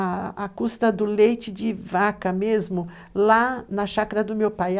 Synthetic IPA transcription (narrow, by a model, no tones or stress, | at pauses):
akust̪ɐd̪ʊlejt͡ʃɪd͡ʒɪvakɐmezmʊ | lanɐʃakɐɾɐd̪ʊmewpaj